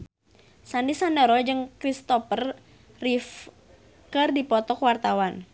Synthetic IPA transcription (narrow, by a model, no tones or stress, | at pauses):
sandisandəɾɔd͡ʒɨŋkɾist̪ɔpər | rif | kɨrdipɔt̪ɔkwart̪awan